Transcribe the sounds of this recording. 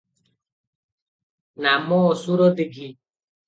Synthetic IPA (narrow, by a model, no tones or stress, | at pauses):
namɔːsuɾɔd̪iɡi